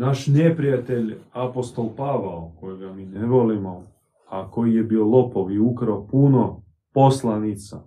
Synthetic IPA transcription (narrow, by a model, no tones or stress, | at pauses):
naʃnepɾijat̪eʎapo̞st̪o̞lˠpaʋaokojeɡamiːneʋolimo | ako̞jijebiolo̞poʋiukɾopuno | po̞slˠanit̪sa